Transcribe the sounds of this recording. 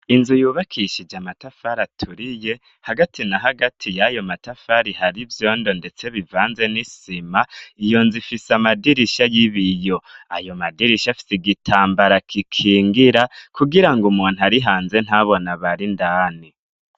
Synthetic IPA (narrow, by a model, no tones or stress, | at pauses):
inzujuːβakʰiʃid͡ʒamatafaɾatʰuɾije̞ | haɡatinaɦaɡatʰijajo̞matafaɾihaɾivjo̞ːndo̞nde̞t͡se̞βivaːnze̞nisimaijo̞nzifisamadiɾiʃajiβijo̞a̰jo̞madiɾiʃafi̥siɡitʰaːmbaɾakʰikʰiːŋɡiɾakuɡiɾaŋɡumuːn̥uhaɾiɦaːnze̞n̥haβo̞naβaɾindaːni